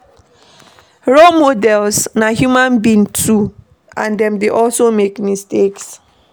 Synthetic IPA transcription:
ɹomodɛlsnaɦjumãnbĩntʰu | ãndɛ̃mdeʔɔlsomekmisteks

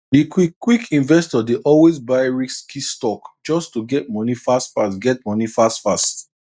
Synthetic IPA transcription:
dikikwikʰĩnvɛstɔdeʔɔlwezbaɪɹikskʰistɔkd͡ʒɔstuɡɛt̚mɔnifastfastɡɛtmɔnifastfast

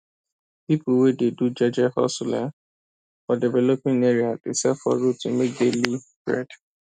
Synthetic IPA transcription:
pipuwededud͡ʒɔd͡ʒɛhɔ̰stula | fɔdivɛlopĩŋɛɹiadesɛfɔ̰ɹotumek̚deli | b̥ɹɛ̰d

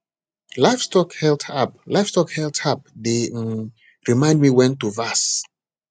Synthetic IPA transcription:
laɪfstɔkhɛltʰap̚laɪfstɔkhɛltʰap̚de | ɹimãɪ̃ndmiwɛ̃ntuvas

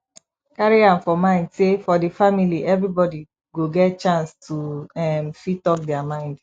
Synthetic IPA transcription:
kaɹiãnfɔmãɪ̃ndsefɔdefamiliʔɛvɹibɔdi | ɡoɡɛt̚t͡ʃãnstuɛmfitɔk̚dɛamãɪ̃nd

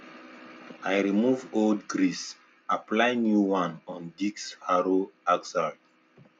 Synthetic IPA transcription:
ajɹimuvoldɡɹis | aplajnjuwãnɔ̃ndikshaɹoaɡzaɹd

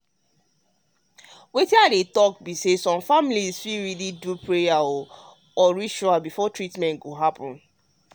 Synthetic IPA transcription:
wetĩadetɔkbisesɔ̃mfamlizfiɹilidupʰɹejaɔ | ɔɹiʃɔabifɔtɹitmɛ̃ntɡoɦapʰɔ̃n

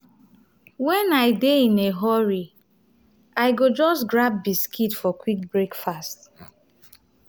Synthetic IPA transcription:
wɛ̃naɪdeĩneɦɔɹi | aɪɡod͡ʒɔstɡɹab̚biskʰitfɔkwik̚bɹekfast

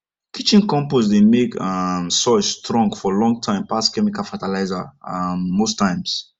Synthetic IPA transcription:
kʰit͡ʃĩnkɔ̃mposdemekamsɔsstɹɔ̃ŋɡfɔlɔ̃ŋɡ̚tʰãɪ̃mpaskɛmikalfatalaɪzaamːostʰãɪ̃ms

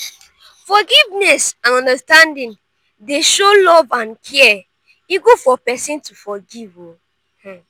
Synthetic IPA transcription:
fɔɡivnɛsãnɔ̃ndəstãndĩn | deʃolɔvãnkʰɛɛ | iɡufɔpɛsĩntufɔɡivo

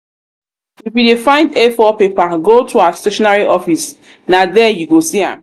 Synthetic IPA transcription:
ifidefãɪ̃ndefɔpepaɡotʰuaasteʃɔnaɹiʔɔfis | nadɛjuɡosiã̰

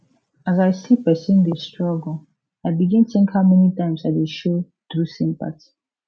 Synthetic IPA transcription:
azaɪsipɛsĩndestɹɔɡɔ̃ | aɪbiɡɛ̃ntʰẽŋkhaʊmɛnitãɪ̃msadeʃo | dɹusĩmpa̰tʰi̥

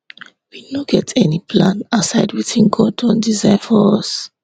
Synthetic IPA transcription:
winoɡɛtʰɛnipʰlãnasaɪdwiθĩnɡʰɔdɔ̃ndizãɪfɔɔs

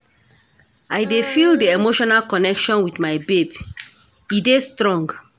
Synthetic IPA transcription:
ajdefilˠdiemoʃɔnalkɔnɛkʃɔ̃nwiθmaɪbeb | idestɹɔ̃ŋɡ

